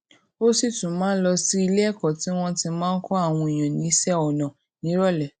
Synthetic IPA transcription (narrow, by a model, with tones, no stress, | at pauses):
o˦si˦˨tũ˨˦mãː˦n̩˦lɔ˧si˦i˧le˦ɛ˦˨kɔ˨ti˨˦w̃ɔ̃˧ti˧mãː˦n̩˦kɔ˦a˦˨w̃ɔ̃˧i˨j̃ã˨nĩ˨˦sɛ˦ɔ˨nã˨ | nĩ˨˦ɾɔ˦˨lɛ˨